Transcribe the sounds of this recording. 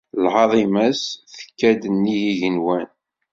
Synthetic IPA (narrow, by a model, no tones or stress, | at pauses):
lʕɑðˤimæsθə̥kːæd̪ənːijiʝənwæn